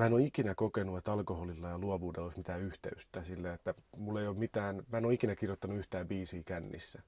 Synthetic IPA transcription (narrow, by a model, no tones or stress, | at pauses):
mæːenoːikinækokenuet̪ɑlkoholilːɑjɑluoʋuːdeloismit̪æːyht̪ḛyst̪æsilːeet̪ːæmulːeijoːmmit̪æːnmæːenoikinækirjot̪ːɑnuyht̪æːmbiːsiːkænːḭsːæ